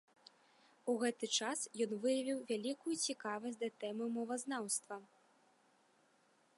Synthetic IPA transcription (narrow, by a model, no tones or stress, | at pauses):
uɣɛt̪ɨt͡ʂasjɔnvɨjɐvʲiwvʲalʲikujut͡sʲikavɐsʲd̪ɐt̪ɛmɨmɔvɐznawst̪vɐ